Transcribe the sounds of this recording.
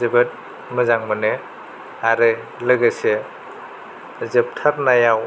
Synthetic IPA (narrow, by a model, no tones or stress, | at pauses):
zibɯt̚ | mɯzaŋmɯnɯ | aɾɯ | lɯɡɯse | zep̚tʰaɾnaja